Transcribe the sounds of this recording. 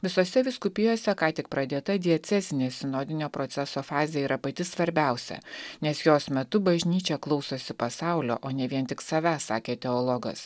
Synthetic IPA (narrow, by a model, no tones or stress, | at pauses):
ʋʲɪsoːsʲɛʋʲɪskʊpʲɪjoːsʲɛkɑːt̪ʲɪk̚pɾɐd̪ʲeːt̪ɐd̪ʲiɛt̪sʲɛzʲɪnʲeːsʲɪnoːd̪ʲɪnʲoːpɾot̪sʲæsoːfɑːzʲejɛiːɾʔɐpɐt̪ʲɪsʋɐɾʲbʲɛˑʊsʲɛ̰nʲɛsjoːsmʲɛt̪ʊbɐʒʲnʲiːt͡ʃʲɛklˠɒʊsoːsʲɪpɐsɑˑʊlʲo̰ːʔoːnʲɛʋʲiɛnt̪ʲɪksɐʋʲæsɑ̰ːkʲeːt̪ʲɛolˠɔɡɐ̰s